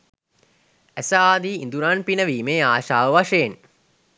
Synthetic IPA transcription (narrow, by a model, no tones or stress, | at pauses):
æsaaːd̪iːnd̪uɾanpinəʋiːmeːaːʃaːʋəʋaʂejen